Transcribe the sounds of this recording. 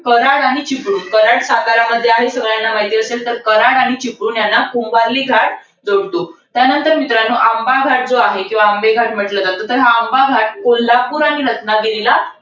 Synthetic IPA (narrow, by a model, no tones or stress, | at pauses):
kəɾaɽaɽ̃it͡ɕipɽuːnkəɾaɽsakaɾaməd̪ʱjeaɦesəɡɭjanːamaɦit̪iːəselt̪əɾkəɾaɽaɽ̃it͡ɕipɽuːnjanːakumbaɾliːɡʱaʈ̚ | d͡zoɽt̪ot̪janənt̪əɾmit̪ɾanːoʔambaɡʱaʈ̚d͡zoaɦekĩw̃ʋaːmbeɡʱaʈmiʈləd͡zat̪ot̪əɾɦaːmbaɡʱaʈ̚kolːapuːɾaɽ̃iɾət̪naɡiɾila